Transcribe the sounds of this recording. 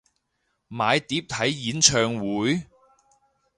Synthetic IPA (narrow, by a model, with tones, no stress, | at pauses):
maː˨˧jt̪iː˨˥p̚t̪ʰɐ˨˥jːiː˨˥nt͡ʃʰœː˧ŋwuː˨˥j